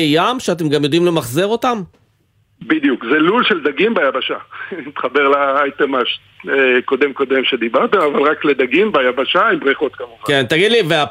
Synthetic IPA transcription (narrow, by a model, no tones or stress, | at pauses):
jamʃeat̬emɡamjo̞d̪imlemaχzeʁo̞tam | bid̪jukzelulʃeld̪aɡimbeajabaʃait̪χabeʁlaajt̪emaʃteko̞d̪e̞mko̞d̪e̞mʃed̪ibaʁt̪emavalʁakled̪aɡimbajabaʃaimbʁiχo̞t̪kamuχakent̪aɡid̪livea